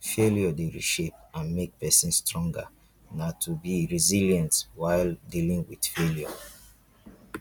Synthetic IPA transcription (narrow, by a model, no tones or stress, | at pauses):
feljɔdeɹḭʃepãnmek̚pɛsĩnstɹɔ̃ŋɡa̰ | natʰubiɹiziljãntwaɪldilĩŋwid̥feljɔ̰